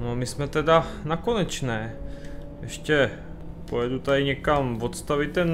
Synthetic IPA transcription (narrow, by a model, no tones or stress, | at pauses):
nomɪsmɛt̪ɛdanakonɛt͡ʃnɛː | jɛʃcɛ | pojɛdut̪adɪɲɛkamvot̪st̪avit̪ːɛn